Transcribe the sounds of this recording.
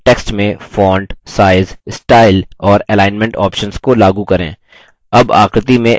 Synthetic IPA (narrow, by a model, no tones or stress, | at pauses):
ʈeːksʈmẽfɔːɳɖsaːɪzɪsʈaːɪlɔːɾɛlaːɪnmẽɳʈɔːpʃənzkolaːɡukɐɾḛ̃ː | ɐba̰ːxɾət̪imẽ